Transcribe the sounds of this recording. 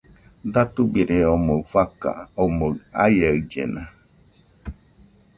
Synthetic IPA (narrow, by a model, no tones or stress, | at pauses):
d̪at̪ubiɾeomofaka̰omoa̰jaɯd͡ʒḛna